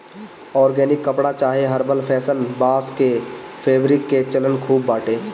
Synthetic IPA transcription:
ɔːɾɡɛːnɪkːəpɽat͡ʃaːɦeɦəɾbəlpʰɛːsənbaːskepʰeːbɾɪkːet͡ʃələnkʰuːbːaːʈeː

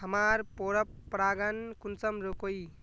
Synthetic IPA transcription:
ɦəmaɾpoɾəpːɾaɡənkunt͡səmɾokoj

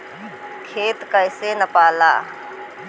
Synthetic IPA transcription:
kʰeːt̪kəɪsenɐpaːlaː

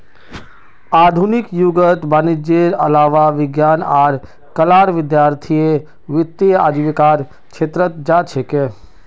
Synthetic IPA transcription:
aːd̪ʱunɪkjuɡət̪banid͡ʒeːɾəlaːʋaʋɪɡjaːnaːɾ | kəlaːɾʋɪd̪jaːɾt̪ʰie | ʋɪt̪ːia̰ːd͡ʒ̪ʋɪkaːɾ | kʃeːt̪ɾət̪d͡ʒat͡ʃʰeke

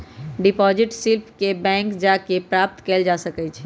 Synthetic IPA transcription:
ɖipɔd͡ʒɪʈsilpʰkebɛ̃ːŋkd͡ʒakepɾap̚t̪keːld͡ʒasəkɛt͡ʃʰɛ

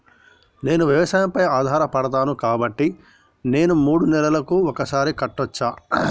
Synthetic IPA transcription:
ne̞ːnuʋjiʋɐʃaːjɐmpɐjaːd̪ʱaːɾɐpɐɽɐt̪aːnukaːbɐʈːi | ne̞ːnumuːɽunɛlɐlɐkuɔkɐsaːɾikɐʈːɔt͡ʃːaː

